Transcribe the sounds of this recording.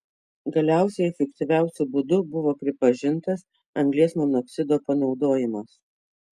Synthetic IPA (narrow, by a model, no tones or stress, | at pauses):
ɡɐlʲæˑʊsʲɛɪɛfʲɛkt̪ʲiʋʲæˑʊsʲʊbʊd̪ʊbʊʋoːpʲɾʲɪpɐʒʲɪnt̪ɐs | ɐŋɡlʲiɛsmɔnɔkʲsʲɪd̪oːpɐnɒʊd̪oːjɪmɐs